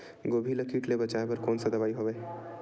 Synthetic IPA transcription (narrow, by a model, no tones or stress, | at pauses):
ɡoːbʱiləkʰiːʈlebɐt͡ʃaːebɐɾkoːnsɐd̪ɐʋaːiɦoːʋeː